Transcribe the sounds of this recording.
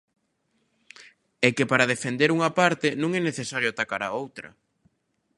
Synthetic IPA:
ɛkepaɾɐð̞efend̪eɾuŋɐpaɾt̪enũŋɛneθesaɾjoat̪akaɾaowt̪ɾɐ̰

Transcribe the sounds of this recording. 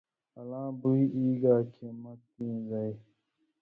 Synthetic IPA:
ɐlãːbuiʔiːɡaːkʰemɐt̪ːĩːzaj

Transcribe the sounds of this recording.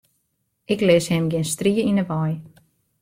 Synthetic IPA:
ɪkleːshɪmɡɪnst̪riːəinəʋaj

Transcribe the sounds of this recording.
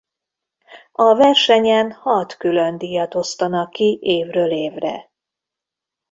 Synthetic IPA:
ɒvɛrʃɛɲɛnhɒt̪kylønd̪iːjɒt̪o̞st̪ɒnɒkːiʔeːvrøːleːvrɛ̰

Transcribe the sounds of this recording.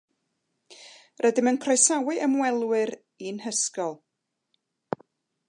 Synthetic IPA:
rʔɛdɪmənpʰrajsawɨʔəmwɛlˠwɨɾ | inhəskɔlˠ

